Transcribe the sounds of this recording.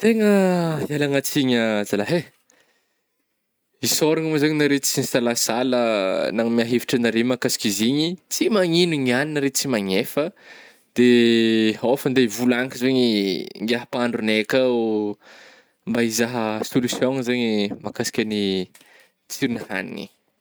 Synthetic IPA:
t̪eŋəialaŋat͡siɲəzalaɦe | isoɾaŋmuzaɲinaɾet͡sinisalasalənaŋmiaɦevi̥ʈ͡ʂənaɾemakasi̥kʲiziɲit͡simaɲinuɲianinəɾet͡simaɲefə | d̪̥e | ofənd̪evulaŋkizeɲiŋɡaɦəpaaɳɖ͡ʐunekau | mbaizaɦəsolusjoŋzeɲimakasi̥kʲəni | t͡siɾiniha̰nḭnḭ

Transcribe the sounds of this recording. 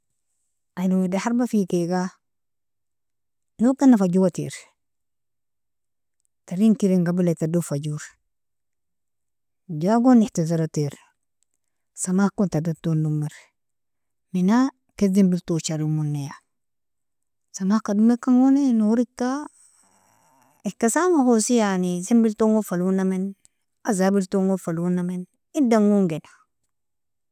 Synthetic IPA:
anuwedahaɾbafikeɡa | nukanːafad͡ʒuwatḭɾ | taɾiŋkiɾeŋɡabilatadufad͡ʒuɾ | d͡ʒaɡonihtizaɾatiɾ | samakuntadatːonːumeɾ | mina | kezimbiltot͡ʃaɾimunːeja | samahkadumekaŋwonenuɾita | ekasamahosijanizimbiltoŋofalunamen | azabiltoŋɡofalunamen | idaŋɡuŋɡena

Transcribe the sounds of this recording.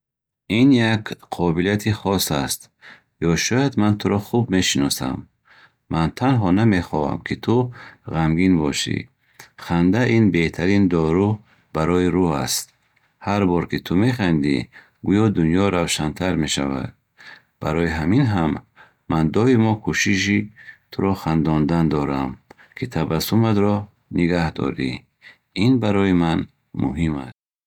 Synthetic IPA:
injakqʰɔbilijat̪ʰiχɔsa̰st̪ | jɔʃɔjad̪mant̪ʰuɾɔχubme̞ʃinɔsa̰mː | ant̪ʰanɦɔname̞χɔva̰mkʰit̪ʰuʁamɡinbɔʃḭ | χand̪ainbe̞ht̪ʰaɾind̪ɔɾu | b̥aɾɔiɾua̰st̪ | haɾbɔɾkʰit̪ʰume̞χand̪ḭ | ɡujɔd̪unjɔɾawʃant̪ʰaɾme̞ʃa̰va̰d̪̥̚ | baɾɔiɦaminɦamː | and̪ɔimɔkʰuʃiʃit̪ʰuɾɔχand̪ɔnd̪and̪ɔɾam | kʰit̪ʰabasumad̪ɾɔ | niɡahd̪ɔ̰ɾḭ | inbaɾɔiman | mṵɦima̰st̪

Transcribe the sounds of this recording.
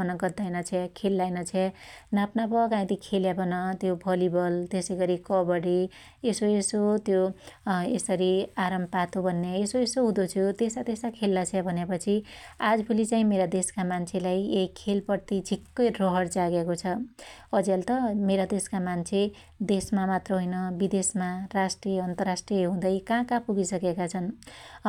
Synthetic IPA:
ʌnʌɡʌd̪ajnʌt͡sʰekʰelːajnʌt͡sʰenapnapʌkãĩt̪ikʰeljabʌnʌt̪jobʱʌlibʌlt̪esʌjɡʌɾikʌbʌɽi | esoesot̪jo | esʌɾiaɾʌmpat̪obʱʌnːeesoesoɦud̪ot͡sʰjut̪esat̪esakʰelːat͡sʰebʱʌnepʌt͡sʰiad͡zbʰulit͡saĩmeɾad̪eskamant͡sʰelajekʰːelpʌɾt̪id͡zʱikːʌjrʌɦʌɽd͡zaɡekot͡sʰʌʌd͡zelt̪ʌmeɾad̪eskamant͡sʰe | d̪esmamat̪rʌɦojnʌbid̪esmarasʈrieʌnt̪ʌrasʈrijʌɦũd̪ʌjkãkapuɡisʌkekat͡sʰʌn

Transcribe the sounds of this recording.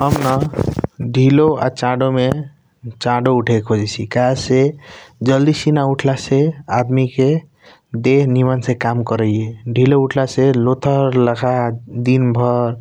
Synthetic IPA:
ɦəmnɔ | ɖʱiloa̰t͡ʃãɖome | t͡ʃãɖouʈʰekʰod͡ʒisʰikased͡ʒəld̪isinauʈʰlasead̪mike | d̪eɦnimansẽkamkəɾəjeɖʱilouʈʰlaselot̪ʰəɾləkʰad̪inbʱɔɾ

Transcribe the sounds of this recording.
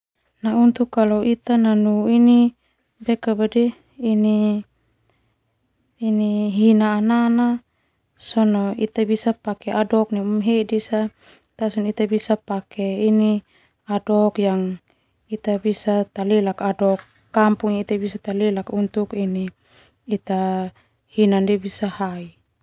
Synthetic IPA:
naunt̪ukːaloit̪ananuini | bɛkabadɛː | ni | niɦinaːnana | sɔnɔit̪abisapakɛʔadɔk̚niumɦedisa | t̪asunit̪abisapakɛini | adɔkjaŋ | it̪abisat̪alilakadɔkː | ampuŋit̪abisat̪alilakunt̪ukiniː | t̪a | hinandibisahai

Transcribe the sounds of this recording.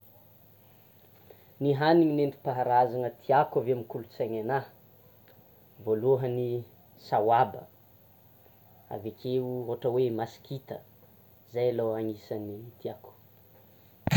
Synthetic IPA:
niɦaniŋinenɖ͡ʐi̥paɦaɾazaŋət̪ʰiakaveamikulut͡saɲana | voluɦəni | sawabə̰ | a̰vekʰeuoʈ͡ʂəwemasi̥kʰit̪ə̰ | zajaloaŋisanit̪iaku̥

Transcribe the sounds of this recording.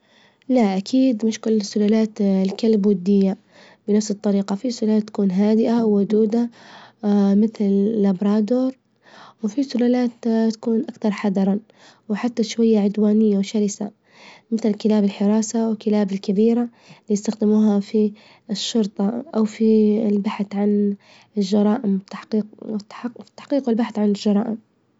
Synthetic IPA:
laʔakʰiːd̪mɪʃkʊlːɪsːʊlaːlaːt̪lkalbwʊd̪ːɪjːa | bɪnafsɨt̪ˤːɑɾiːqɑfisʊlaːaːt̪ːḁkuːnɦaːd̪ɪʔawːʊd̪uːd̪a | mɪθllabɾˤɑːd̪oːɾˤ | wfisʊlaːlaːt̪t̪ːḁkuːnʔakt̪ɑɾˤħɑd̪ɑɾˤɑ | wħat̪ːaʃwajːaʕʊd̪waːnɪjːawʃaɾɪsa | mɪθlkɪlaːbɪlħɪɾˤɑːsawɪkɪlaːbɪlkabiːɾa | lijɪst̪axd̪ɪmuːɦafi | ʃːʊɾt̪ˤɑʔawfilbaħθʕan | ɪlʒɑɾˤɑːʔɪmwt̪ːaħqiːqt̪ːḁħt̪ːḁħqiːqwɪlbaħθʕanɪlʒɑɾˤɑːʔɪm

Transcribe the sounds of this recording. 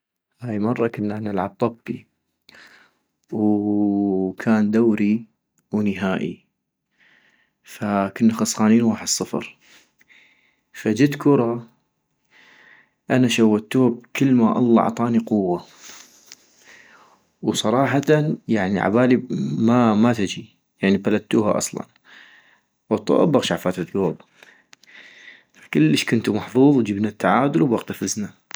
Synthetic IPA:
haːjmɑrˤːɑkənːanɪlʕab̚t̪ˤɑbːi | w | kʰaːnd̪awɾi | wnɪɦaːʔḭ | fakɪnːaxɑsˤxaːniːnwaːħəd̪sˤːɨfɾ | fad͡ʒɪt̪kʊɾˤɑ | ʔanaʃawːat̪ːuːb̚kəlːmaʔɑ̰lˤːɑɑ̰ʕt̪ˤɑːniqʊwːa | wsˤɑɾˤɑːħɑt̪anjaʕniʕa̰baːlimamat̪ɪd͡ʒi | jaʕnibalat̪ːuːha̰ʔɑ̰sˤlɑ̰n | wt̪ˤːɑ̰ʔbaɣʃaʕfaːt̪at̪ɡoːb | fḁkəlːəʃkʊnt̪umɑħðˤuːðˤwd͡ʒəbnat̪ːaʕaːd̪ʊlwbwɑqt̪afɪzna

